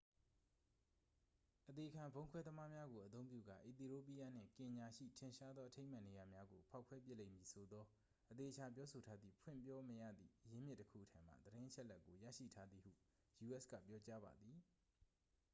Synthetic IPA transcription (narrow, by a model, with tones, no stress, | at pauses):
ʔət̪e˨əkʰã˨mbõ˦ʊ̃kʰwɛ˦d̪əma˦mja˦ɡo˨ʔət̪̬õ˦ʊ̃mpjṵ˦˨ɡa̰˦˨ʔi˨t̪i˨ɹo˦p̬i˦ja˦n̥ɪ̰̃˦˨ŋkɪ̃˨ɲa˨ʃḭ˦˨tʰɪ̃˨ʃa˦d̪ðɔ˦ʔətʰẽ˦ɪm̥ã˦˨ne˨ja˨mja˦ɡo˨pʰa˦ʊkʰwɛ˦p̬jɪ˦ʔlḛ̃˦˨mji˨sʰo˨d̪ɔ˦ | ʔət̪e˨ət͡ɕʰa˨p̬jɔ˦so˨tʰa˦d̪ðḭ˦˨pʰwɪ̰̃˦˨mpjɔ˦məjä̰˦˨d̪ðḭ˦˨ʔəjɪ̃˦mjɪ˦tːəkʰṵ˦˨ʔətʰã˦m̥a̰˦˨d̪əɾɪ̃˦ʔə˦t͡ɕʰɛ˦ʔlɛ˦kːo˨jä̰˦˨ʃḭ˦˨tʰa˦d̪ði˨hṵ˦˨ | ju˨ʔɛ˦skä̰˦˨pjɔ˦t͡ɕa˦ba̰˨d̪i˨